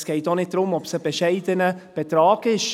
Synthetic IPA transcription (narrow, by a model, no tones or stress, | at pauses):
sɡ̥eɪtdɔnɪt̚d̥ɾʊmɔpsəb̥əʃeɪdənəb̥ətɾɑːɡɪʃ